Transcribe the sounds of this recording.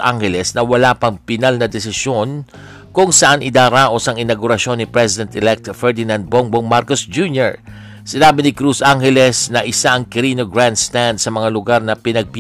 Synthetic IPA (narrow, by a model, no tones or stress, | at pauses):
ʔa̰ŋhɛlɛsnɐwɐlapɐŋpɪnalnɐd̪ɛsɪsjo̞n | kʊŋsɐʔanʔɪd̪aːɾaːʔo̞sɐŋɪnɐɡʊɾɐʃo̞nːɪpɾɛsɪd̪ɛnt̪ɛlɛk̚t̪fɛɹd̪ɪnãnd̪̚boŋboŋmaɾkosd͡ʒunjoɹ | sɪnaːbɪnɪkɾusʔaŋhɛlɛsnɐʔɪsaʔɐŋkɪɾiːnoɡɹand̪st̪and̪sɐmɐŋalʊɡaɾnɐpɪnɐɡ̚p